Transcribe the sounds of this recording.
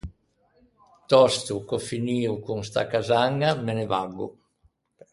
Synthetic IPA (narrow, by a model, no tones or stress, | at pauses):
t̪ɔst̪ukɔfiniːukuŋst̪a̰kazaŋːamenevaɡːṵ